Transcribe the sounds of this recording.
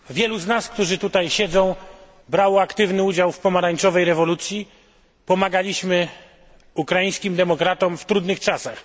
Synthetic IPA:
vʲjɛluznaskt̪uʐɘt̪ut̪ajɕɛd̪zɔ̃w̃ | bɾawɔakt̪ɘvnɘud͡ʑawfpɔmaɾaɲt͡ʂɔvɛjɾɛvɔlut̪sʲji | pɔmaɡalʲiɕmɘ | ukɾajĩj̃skʲimd̪ɛmɔkɾat̪ɔmft̪ɾud̪nɘxt͡ʂasax

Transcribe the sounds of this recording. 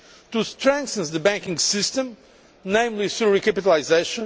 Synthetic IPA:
t̪ust̪ɹɛ̃ŋkθə̃nsðəbæ̃ŋkĩŋɡsɪst̪ə̃m | nẽj̃mlisuɹikapit̪alaɪzeʃɔ̃

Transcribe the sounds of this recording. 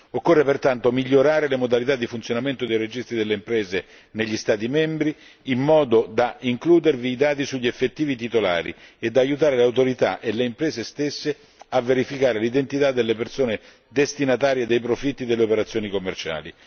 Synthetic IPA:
okːorːepert̪ant̪omiʎːoɾaːɾelemod̪alit̪ad̪ːifunt̪sjonament̪od̪ejɾed͡ʒist̪ɾid̪elːeimpɾɛːze | neʎːist̪aːt̪̬imɛmbɾiː | mːɔːd̪od̪aiŋkluːd̪erviːd̪aːt̪isuʎːiefːet̪ːiːvit̪it̪ola̰ːɾḭed̪ːaːjut̪̬aːɾelawt̪oɾit̪a̰ʔeleimpɾɛːzest̪esːe | avːeɾifikaːɾelid̪ent̪it̪ad̪ːelːepersoːne | d̪est̪inat̪aːɾjed̪ejpɾofit̪ːid̪elːeopeɾat̪sjoːnikomːert͡ʃa̰ːli

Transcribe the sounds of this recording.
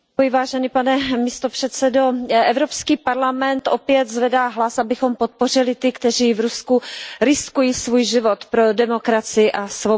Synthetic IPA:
jɪvaːʒɛniːpanɛmɪst̪o̞pr̥ɛt̪sɛdo̞ʔɛvɾo̞pskiːpaɾlamɛnt̪ʔopjɛt̪zvɛdaːɦlasʔabɪxo̞mpot̪̚po̞r̝ɪlɪt̪ɪkt̪ɛr̝iːvɾuskuɾɪskujiːsvuːjʒɪvo̞t̪pɾodɛmo̞kɾat͡sɪɪʔasvo

